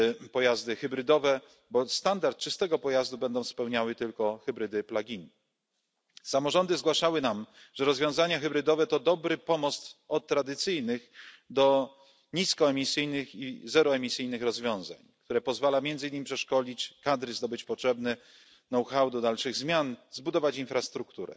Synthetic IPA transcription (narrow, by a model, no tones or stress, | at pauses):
pɔjazd̪ɘxɘbɾɘd̪ɔvɛ | bɔst̪and̪aɾt̪̚t͡ʂɘst̪ɛɡɔpɔjazd̪ubɛnd̪ɔ̃w̃spɛwɲawɘt̪ɘlkɔxɘbɾɘd̪ɘplaɡʲin | samɔʐɔnd̪ɘzɡwaʂawɘnam | ʐɛɾɔzvʲjɔ̃w̃zaɲaxɘbɾɘd̪ɔvɛt̪ɔd̪ɔbɾɘpɔmɔst̪ɔt̪ːɾad̪ɘt̪sɘjnɘx | d̪ɔ | ɲiskɔɛmʲisɘjnɘxḭzɛɾɔɛmʲisɘjnɘxɾɔzvʲjɔ̃w̃za̰ɲk̚t̪uɾɛpɔzvalamjɛnd̪zɘɲimʲpʂɛʂkɔlʲit͡ɕkad̪ɾɘzd̪ɔbɘt͡ɕpɔtʂɛbnɛ | nɔwxawd̪ɔd̪alʂɘɣzmʲjanzbud̪ɔvat͡ɕinfɾast̪ɾukt̪uɾɛ̰